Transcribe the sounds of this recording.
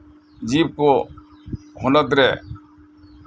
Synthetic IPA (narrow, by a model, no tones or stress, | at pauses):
d͡ʒiːb̚koː | hʊnət̪ɾɛː